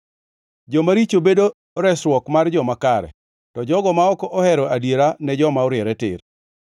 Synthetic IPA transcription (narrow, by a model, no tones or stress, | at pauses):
d͡ʒɔmaɾit͡ʃobedo | ɾɛswɔkmard͡ʒɔmakaɾɛ̰ | tɔd͡ʒɔɡɔmaɔkɔʔɔhɛɾɔadjeɾanɛd͡ʒɔmaɔɾjɛɾɛtɪ̰r